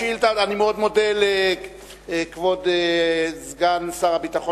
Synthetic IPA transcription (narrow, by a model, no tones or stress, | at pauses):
ilt̪aanimeo̞d̪mo̞dele | kvodezɡansaʁabit̪aχo